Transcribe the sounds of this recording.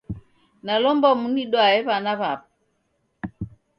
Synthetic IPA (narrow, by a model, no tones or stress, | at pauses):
nalɔmbɔmuniɗwaɛβanaβapa